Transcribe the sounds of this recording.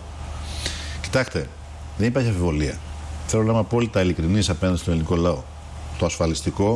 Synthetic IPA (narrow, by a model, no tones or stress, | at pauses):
ci̥t̪ɐkt̪e̞ | ðenipɐɾçiɐfivo̞liɐ̰feɾolnɐmɐpoolit̪ɐilikɾinisɐpenɐnd̪st̪liniko̞lɐo̞ | t̪oɐsfɐlist̪iko̞